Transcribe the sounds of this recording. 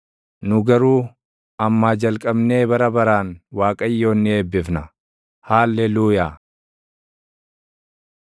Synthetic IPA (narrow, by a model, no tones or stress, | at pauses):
nʊɡɐɾuː | ɐmːaːd͡ʒɐlkʼɐbne̞ːbɐɾɐbɐɾaːnwaːkʼɐjːo̞ːnːɪeːbːɪfnɐ | haːlːɛluːjaː